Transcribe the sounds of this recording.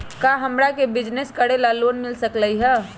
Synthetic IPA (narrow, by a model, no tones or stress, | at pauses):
kaɦəmɾakebid͡ʒneskəɾelalonmilsəkləjɦə